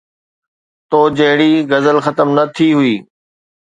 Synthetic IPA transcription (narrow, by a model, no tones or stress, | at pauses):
t̪oːd͡ʑɐɦɪɽ̃iːɡɐzəlxɐt̪əmnɐt̪ʰiɦʊiː